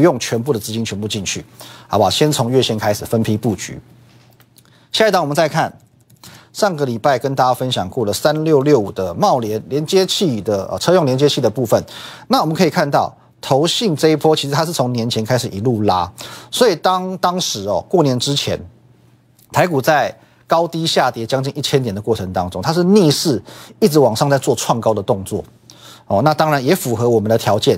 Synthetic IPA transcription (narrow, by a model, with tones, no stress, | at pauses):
jʊ˥˩ŋt͡ɕʰɥɛ˧˥npu˥˩d̪ə˩t͡sɹ̩˧˥t͡ɕi˥nt͡ɕʰɥɛ˧˥npu˥˧t͡ɕi˥˧nt͡ɕʰy̰˥˩ha̰˧˥˩wa˨˩ɕjɛ˥nt͡sʰʊ˧˥ŋɥɛ˥˩ɕjɛ˧˥nkʰa˥ɪʂ̩˨˩fə˦npʰi˥pu˥˨˩t͡ɕy̰˨˥˦ | ɕja˥˧i˧˥t̪ɑ˥˦wɔ˨mə˦nt͡sa˥˧ɪkʰa˥˨n | ʂɑ˥˩ŋɡə˩li˨˩pa˥˩ɪkə˦nt̪a˥˩t͡ɕa˥fə˦nɕjɑ˨˩ŋkwɔ˥˩lə˩sa˦nljo˥˧ʊljo˥˩ʊu˨˩d̪ə˦mɑ˥˩ʊljɛ˧˥nljɛ˧˦nt͡ɕjɛ˥t͡ɕʰi˥˧d̪ə˩ə̰˨t͡sʰɤ˥jŋljɛ˧nt͡ɕjɛ˥t͡ɕʰi˥˩d̪ə˩pu˥˧fə˨nna˥˩wɔ˨˩mə˦nkʰi˨˩kʰa˥˧nt̪ɑ˥˩ʊ | t̪ʰo˧˦ʊɕi˥˩ŋʈ͡ʂɤ˥˧i˥˩pʰwɔ˥t͡ɕʰi˧˥ʂ̩ʰ˧a˥ʂɻ̩˥˩t͡sʰʊ˧˥ŋnjɛ˧˥nt͡ɕʰjɛ˧˥nkʰa˥ɪʂ̩˨˩i˨˩lu˥˩la˥swɔ˧˥i˨˩t̪ɑ˥ŋt̪ɑ˥ŋʂɻ̩˧˥ɔ̰˨˩kwɔ˥˩njɛ˧˥nʈ͡ʂɻ̩˦t͡ɕʰjɛ̰˧˥n | t̪ʰa˧˥ɪku˨˩t͡sa˥˩ɪ | kɑ˥ʊt̪i˥ɕja˥˩t̪jɛ˧˥t͡ɕjɑ˥ŋt͡ɕi˥˧ŋi˥˩t͡ɕʰjɛ˥nt̪jɛ˨˩nd̪ə˩kwɔ˥˩ə˧˦ŋt̪ɑ˥ŋʈ͡ʂʊ˥ŋt̪ʰa˥ʂ̬̩˥˧ni˥˧ʂɻ̩˥˩i˥˩ʈ͡ʂɻ̩˧˥wɑ˨˩ŋʂɑ˥˧ŋt͡sa˥˧ɪt͡swɔ˥˧ʈ͡ʂʰwɑ˥˩ŋkɑ˥ʊd̪ə˨t̪ʊ˥˧ŋt͡swɔ̰˥˩ | ɔ˥˨na˥˧t̪ɑ˥ŋɻa˧˦njɛ˧˥fu˨˩xɤ˧˥wɔ˨˩mə˨˦nd̪ə˧t̪ʰjɑ˧˥ʊt͡ɕjɛ˥˩n